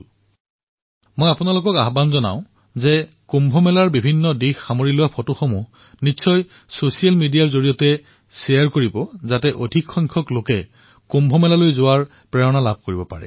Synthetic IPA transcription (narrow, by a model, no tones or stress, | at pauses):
mojapʊnalokɔkaɦbanzɔna̰ʊ̃ | zɛ | kumbʱɔmɛlaɹbibʱinːɔdixxamoɹilʊwapʰɔtuxomu | nisɔj | sosialmidijaɹzoɹijɔtɛ | sɛjaɹkoɹibɔzatɛʔodʱikxɔjŋkʰɔklokɛ | kombʱɔmɛlalojzʊwaɹ | pɹɛɹɔnalab̚ʱkoɹibɔpa̰ɹɛ̰